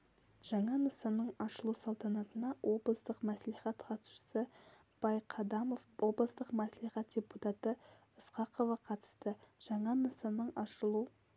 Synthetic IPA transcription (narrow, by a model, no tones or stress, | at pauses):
ʒ̥ɑɴɑnəsənəɴɑʃəlˠusɑlˠt̪ɑnɑt̪ənɑwʔo̞blˠəst̪əqmæsliχɑt̪qʰɑt̪sʃə̥sə | b̥ɑjqʰɑd̪ɑmo̞fwo̞blˠəst̪əqmæsliχɑt̪̚d̥ʲe̞put̪ɑt̪ə | əsqɑqʰo̞vɑqʰɑt̪ə̥st̪əʒ̥ɑɴɑnəsənəɴɑʃəlˠu